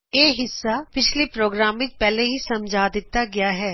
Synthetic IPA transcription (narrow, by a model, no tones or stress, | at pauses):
eːɦɪsːapɪt͡ʃʰlepɾoːɡɾaːmʋɪt͡ʃpɛːleɦisɐmd͡ʒʱaːd̪ɪt̪aɡɪjaɦɛː